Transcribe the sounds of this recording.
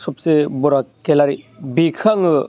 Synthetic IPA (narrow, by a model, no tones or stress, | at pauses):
sup̚sebuɾakelaɾibikʰaŋɯ